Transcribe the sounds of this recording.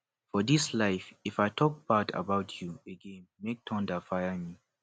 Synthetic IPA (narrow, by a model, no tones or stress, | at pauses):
fɔðislaɪfifaɪtʰɔk̚b̥atʰə̰baʊtʰjuəɡɛ̃nmek̚tʰɔ̃ndəfaɪəmi